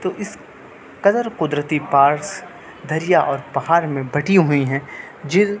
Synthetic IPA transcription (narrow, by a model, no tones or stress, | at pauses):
t̪oːʔɪs | kɐd̪əɾqʊd̪ɾət̪ipaːɾs | d̪ʱɐɾijaʔɔːɾpɐhaːɾmẽbɐʈiɦʊiɦɛ̃ | d͡ʒɪ